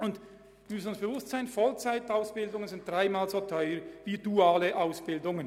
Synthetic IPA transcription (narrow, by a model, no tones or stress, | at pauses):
ʊnd | mʏsn̩ʊnsb̥əvʊstz̥aɪnfɔlt͡saɪtaʊsb̥ɪldʊŋənzɪnt̚d̥ʁaɪmaːlzotʰɔʏəɾviːd̥uaːləʔaʊsb̥ɪldʊŋən